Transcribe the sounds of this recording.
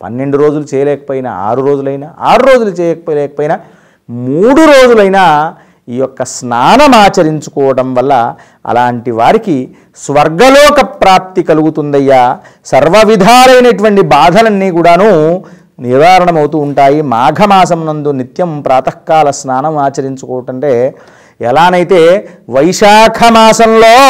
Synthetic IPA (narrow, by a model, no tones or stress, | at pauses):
pɐ̰nːe̞ɳɖuɾo̞ːd͡ʒulut͡ʃɛːjɐlɛːkɐ̥poːjinɐ̰a̰ːɾuɾo̞ːd͡ʒulɐjnaa̰ːɾuɾo̞ːd͡ʒulut͡ʃɛːjɐkɐpoːlɛːkɐpoːjinɐ | muːɽuɾoːd͡ʒulɐjnaː | iːjɔkːɐsnaːnɐmaːt͡ʃɐɾiɲt͡ʃu̥kɔːʋɐɽɐmʋɐlːɐ | ɐ̰laːɳʈiʋaːɾiki | sʋɐɾɡɐlɔːkɐpɾaːp̚t̪ikɐluɡut̪und̪ɐjːaː | sɐɾʋɐʋid̪ʱaːlɐjnɐʈuʋɐɳʈibaːd̪ʱɐlɐnːiːkuːɽaːnu | niɾʋaːɾɐɳɐmɐwt̪uːɳʈaːjimaːɡʱɐmaːsɐmnɐnd̪unit̪jɐmpɾaːt̪ɐkːaːlɐsnaːnɐmaːt͡ʃɐɾiɲt͡ʃukɔːʋɐʈɐɳʈeː | ɛlaːnɐjit̪e̞ːʋɐjʂaːkʰɐmaːsɐmloː